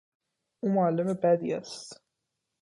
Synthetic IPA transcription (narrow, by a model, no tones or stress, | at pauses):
ʔuːmoælːemebæd̪ḭːæst̪